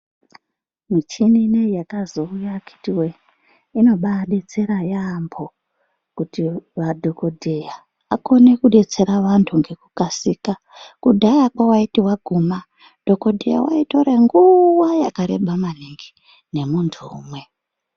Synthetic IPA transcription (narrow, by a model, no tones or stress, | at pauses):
mit͡ʃininejakazo̞ujakʰi̥tiwe | ino̞ɓaɗe̞t͡se̞ɾajambʱo̞ | kutiʋadʱo̞ko̞dʱeja | ako̞ne̞kuɗe̞t͡se̞ɾaʋantʰuŋɡe̞kukasika | kudʱajakwawaitiwaɡʱuma | d̥ʱo̞ko̞dʱe̞̰ja̰wa̰ito̞ɾeŋɡuwajakaɾe̞ɓamaniŋɡi | ne̞muntʰuːmwe̞